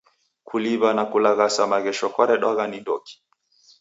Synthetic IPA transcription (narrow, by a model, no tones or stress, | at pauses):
kʰuliβanakulaɣasamaɣɛʃɔkwaɾɛɗwaɣanindɔki̥